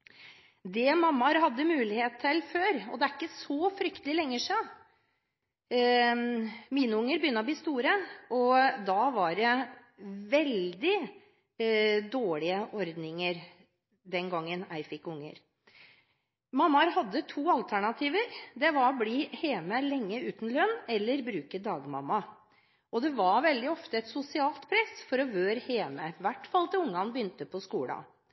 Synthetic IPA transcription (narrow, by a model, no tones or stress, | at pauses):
d̪ɛmɑmːɑɾɦɑd̪ːəmʉːlɪheːt̪ʰːɛlføːɾɔd̪ɛæɾɪkːəsɔfɾʏkt̪əlɪlɛŋːəʂɑ | miːnəʊŋːəɾbjʏnːəɾɔbliːst̪uːɾəɔd̪ɑʋɑɖɛ | ʋɛld̪ɪ | d̪oːɭɪəʔɔɾd̪nɪŋəɾ | d̪ɛnɡɑŋːənæɪfɪkːʊŋːə̰ɾ | mɑmːɑɾɦɑd̪ːət̪ʰuːɑlt̪ʰæɳɑt̪ʰiːʋəɾd̪ɛʋɑɾbliːheːməlɛŋːəʉːt̪n̩lœnːɛlːəɾbɾʉːkəd̪ɑːɡmɑ̰mːɑ | ʔɔd̪ɛʋɑɾʋɛld̪ɪɔft̪əɛt̪sʊsɪɑːlt̪pʰɾɛsːfɔɾɔʋøːɾheːməʋæʈːfɑlt̪ɛʊŋːɑnbəjʏnt̪əpʰɔskuːlɑ̰